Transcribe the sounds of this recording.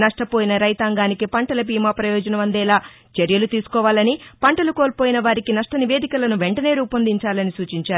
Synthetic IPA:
nɐʂʈɐpoːjinɐɾɐjt̪aːŋɡaːnikipɐɳʈɐlɐbiːmaːpɾɐjɔːd͡ʒɐnɐʋɐnd̪ɛːlaː | t͡ʃeɾjɐlut̪iːsu̥kɔːʋaːlɐnipɐɳʈɐluko̞ːlpoːjinɐʋaːɾikinɐʂʈɐniʋe̞ːd̪ikɐlɐnuʋe̞ɳʈɐne̞ːɾuːpɐnd̪iɲt͡ʃaːlɐnisuːt͡ʃiɲt͡ʃaːu

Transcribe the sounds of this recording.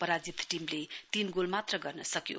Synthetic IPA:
pʌɾad͡zit̪ʈimlet̪inɡolmat̪rʌɡʌrnʌsʌkjo̰

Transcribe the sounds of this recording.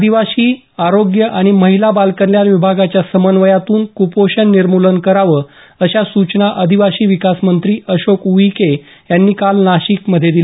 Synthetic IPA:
əd̪ʱiʋaɕiː | aɾoɡjəʔaɽ̃iməɦilabalkəɾljanʋibʱaɡat͡ɕjasəmənʋəjat̪uːnkupoɕənːiɾmulənkəɾaʋəː | əɕasut͡ɕnaʔəd̪ʱiʋaɕiːʋikasmənt̪ɾiːəɕokuike | janːiːkalnaɕikməd̪ʱːjed̪il

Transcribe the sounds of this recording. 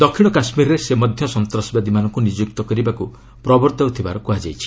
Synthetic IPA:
d̪ɔkʰiɽ̃ɔkasmiɾɔɾesemɔd̪ʱjɔsɔnt̪ɾɔsbad̪imanɔŋkunid͡ʒuk̚t̪ɔkɔɾibaku | pɾɔbɔɾt̪at̪ʰibaɾɔkuɦad͡ʒajt͡ʃʰi̥

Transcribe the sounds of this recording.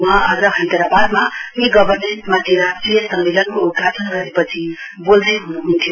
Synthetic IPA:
mʌɦãʌd͡zʌɦʌ̃nt̪eɾabad̪mameɡʌbʌrmenʈmat̪ʰiɾʌsijʌsʌmmelʌnkoudɡatʰʌnɡʌɾepʌt͡sʰi | bold̪ʌjɦunuɦunt̪ʰjo

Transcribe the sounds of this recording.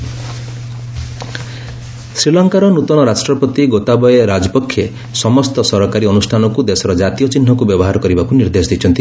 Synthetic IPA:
sɾilɔŋkaɾɔnut̪ɔnɔɾasʈɾɔpɔt̪iɡot̪abɔjeɾad͡ʒɔpɔkʰːje | sɔmɔst̪ɔsɔɾɔkaɾiɔnusʈʰanɔkud̪esɔɾɔd͡ʒat̪ijɔt͡ʃin̤ːɔkubjɔbɔɦaɾɔkɔɾibakuniɾd̪esɔd̪it͡ʃʰɔnt̪i

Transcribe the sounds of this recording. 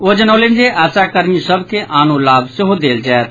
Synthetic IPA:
oːd͡ʒənəʊlɪnd͡ʒeʔaːt͡ʃakəɾnĩsəbkeʔaːnũlaːbsɪɦod̪eːld͡ʒɛːt̪̚

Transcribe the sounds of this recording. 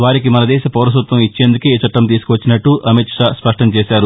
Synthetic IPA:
ʋaːɾikimɐnɐd̪ɛːʃɐpɐːɾɐs̬ut̪ʋɐmit͡ʃːeːnd̪uket͡ʃɐʈːɐmt̪̬iːsu̥kuʋɐt͡ʃːinɐʈːuʔɐmiʈʂaspɐʂʈɐmt͡ʃɛːʃaːɾu

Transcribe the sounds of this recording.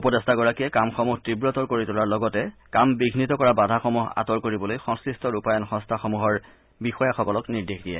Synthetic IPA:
upɔdɔstʰaɡɔɹakiɛkamxɔmuɦtibɹɔtɔɹkoɹitʊlaɹlɔɡɔtɛkambiɡʱnitɔkɔɹabadʱaxɔmuɦa̰tɔɹkoɹibɔlojxɔŋskɹistɔɹupajɔnxɔ̃ŋstʰaxɔmuɦɔɹ | bixɔjaxɔkɔlɔkniɹdexdijɛ̰

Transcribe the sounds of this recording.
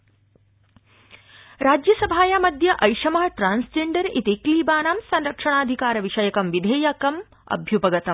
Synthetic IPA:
ɾaːd͡ʒjɐsɐbʱaːjaːmɐd̪ʱjɐʔɐjʂɐmɐɦɐʈɾaːnsd͡ʒeːɳɖɐɾit̪ikliːbaːnaːmsɐnɾɐkʂɐɳ̃aːd̪ʱikaːɾɐʋiʂɐjɐkɐmʋid̪ʱeːjaːkɐm | ɐ̰bʱjupɐɡɐt̪ɐm

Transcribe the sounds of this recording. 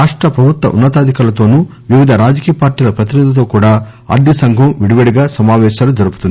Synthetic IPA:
ɾaːʂʈɾɐpɾɐbʱut̪ʋɐ̰ʔṵnːɐt̪aːd̪ʱikaːlɐt̪o̞ːnuː | ʋiʋid̪ʱɐɾaːd͡ʒɐkiːjɐpaːɾʈiːlɐpɾɐt̪inɐd̪ɐt̪̬o̞ːkuːɽaː | ɐ̰ɾd̪ʱisɐŋɡʱɐmʋiɽiʋeɽiɡaːsɐmaːʋɛːʃaːlud͡ʒɐɾupu̥t̪undi

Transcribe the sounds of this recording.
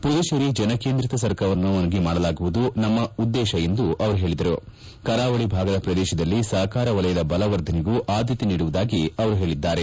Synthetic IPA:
pɾud̪ɐʃɐɾid͡ʒɐnɐke̞ːnd̪ɾit̪ɐsɐɾkʰɐʋɐnːuɐnɐɡimaːɽɐlaːɡuʋud̪unɐmːɐud̪ːɛːʃɐe̞nd̪uʔɐʋɐɾuɦe̞ːɭid̪ɐɾu | kɐɾaːʋɐɭibʱaːɡɐd̪ɐpɾɐd̪ɛːʃɐd̪ɐlːisɐɦɐkaːɾɐʋɐlɐjɐd̪ɐbɐlɐʋɐɾd̪ʱɐneɡuʔaːd̪ʱjit̪iniːɽuʋud̪aːɡiɐʋɐɾuɦe̞ːɭid̪ːaːɾe̞

